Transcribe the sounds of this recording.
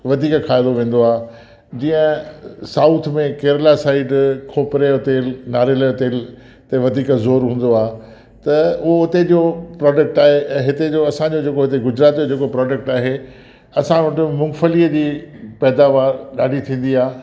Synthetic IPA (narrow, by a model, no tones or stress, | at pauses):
ʋɐd̪ʱiːkkʰaːɪd̪oʋẽːn̆d̪oaː | d͡ʑĩːə̃saːʊt̪ʰmẽkeːɾlasaːɪɖkʰoːpɾejot̪eːlnaːɾelajot̪eːl | t̪eʋɐd̪ʱiːkzoːɾɦũːn̆d̪oaː | t̪ɐʊɦoʊt̪ed͡ʑopɾɔːɖək̚ʈaːɦẽɦɪt̪ed͡ʑoɐsãɲd͡ʑod͡ʑeːkoɦɪt̪eɡʊd͡ʑɾaːt̪id͡ʑod͡ʑeːkopɾɔːɖək̚ʈaːɦe | ɐsãʋɐʈɪmʊ̃ŋɡfəliːəd͡ʑiːpɛːd̪aːʋaːɾɗaːɖʱit̪ʰĩːn̆d̪iaː